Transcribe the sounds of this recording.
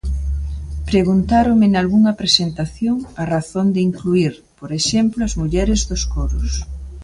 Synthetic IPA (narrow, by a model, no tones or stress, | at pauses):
pɾeɣunt̪aɾomɪnalɣuŋɐpɾesent̪aθjoŋɐraθond̪ɪiŋkluiɾ | poɾeʃɛmploɐzmuʎɛɾɪzðoskoɾʊs